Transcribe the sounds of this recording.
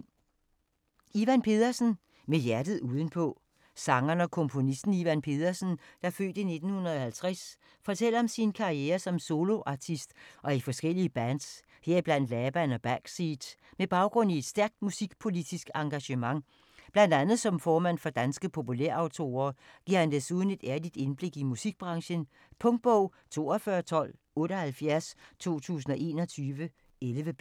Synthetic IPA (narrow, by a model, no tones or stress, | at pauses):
iʋænpʰe̝ðˠɐsn̩ | mejæɐd̥ð̩ˠuːð̞ˠən̩pʰɔ̽ | sɑ̈ŋɐnəɒ̽kʰɔ̽mpʰo̝nisd̥n̩iʋænpʰe̝ð̞ˠɐsn̩d̥ɑfø̰ːd̥əine̝d̥n̩hunɐðˠɒhælt͡sʰʁɛs | fɒ̽t͡sʰel̰ɐɒ̽msinkʰɑ̈ieːɐsɒ̽mso̝lo̝ʔɑ̈t͡sʰisd̥ʔɒ̽ifɒ̽sɡ̥el̰iəb̥æns | heɐ̰ib̥læn̰d̥lɛːb̥ænɒ̽b̥æɡ̥sid̥meb̥ɑ̈ʊɡ̥ʁɔ̽n̰ie̝d̥sd̥æɐɡ̥̚d̥musiɡ̥pʰo̝lid̥isɡ̥ɑ̈ŋɡ̥æɕəmɑ̈ŋ | b̥læn̰d̥ænð̩ˠsɒ̽mfɒːmæn̰fɒ̽d̥ænsɡ̥əpʰo̝puleɐ̰ɑ̈ʊt͡sʰo̝̰ːɐːɡ̥iɐhænd̥esuð̞ˠən̩e̝d̥æɐlid̥e̝nb̥le̝ɡ̥imusiɡ̥̚b̥ʁɑ̈ŋɕən | pʰɔ̽ŋd̥̚b̥ɔʊ̰t͡sʰo̝̰ːɒfɶːɐt͡sʰɒ̽l̰ | ɔ̽ːɾəhælfjæɐst͡sʰo̝̰ːt͡sʰṵːs̬n̩ɒ̽ʔe̝̰ːnɒ̽t͡sʰyːʋə | elʋə